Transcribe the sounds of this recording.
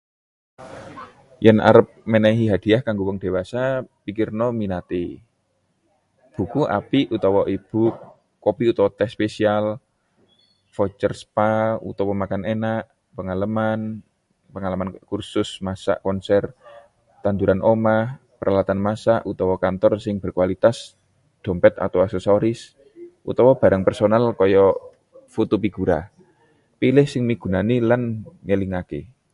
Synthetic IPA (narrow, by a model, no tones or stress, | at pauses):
jənʔa̰ɾəp̚menaiɦiɦad̪̥i̤ahkaŋɡuwəŋd̥e̤wasapikɪrnɔminat̪e | b̥ṳkuʔa̰piʔut̪ɔwɔʔib̥ukː | opiut̪ɔwɔt̪ɛspesial | fɔt͡ʃərspaṵt̪ɔwɔmakanenaʔ | pəŋalaman | pəŋalamankursʊsmasa̰ʔkɔnsɛr | t̪and̪uɾʔanʔomah | pəɾʔalat̪anmasaʔut̪ɔwɔkant̪ɔrsɪŋb̥ə̤rkuwalit̪as | d̪̥ɔ̤mpɛt̪a̰t̪awasesoɾɪs | ʔṵt̪ɔwɔb̥a̤ɾaŋpɛrsonalkɔjɔ | fut̪upiɡ̥uɾa̰ | pilɪhsɪŋmiɡ̥ṳnanilanŋəliŋakḛ